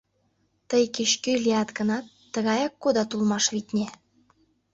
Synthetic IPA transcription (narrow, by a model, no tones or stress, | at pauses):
t̪əjkeɕkølʲiɑt̪ɡə̆nɑt̪ːə̆ɣɑjɑkːod̪ɑt̪ulmɑʃβit̪nʲe